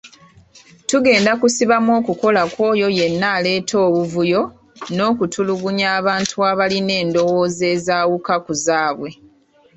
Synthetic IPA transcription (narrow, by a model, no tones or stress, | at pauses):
tuɡe̞ːndakusiβamo̞ːkuko̞lakwo̞ːjo̞je̞nːaːle̞ːtʰo̞ːβuvujo̞ | no̞ːkutʰuluɡuɲaːβaːntʰuaβaline̞ːndo̞wo̞ːze̞ːzaːwukakuzaːβwe̞